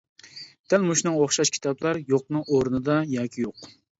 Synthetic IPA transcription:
d̪̥ælmuʃnɨŋoχʃɑʃkʲʰi̥t̪ʰɑblˠɑɾjoq̚nɨŋʔoɾnɨd̪ɑjɑːkʲʰijoq

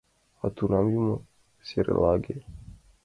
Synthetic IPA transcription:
at̪unamjimo | seɾɛ̰laɡe

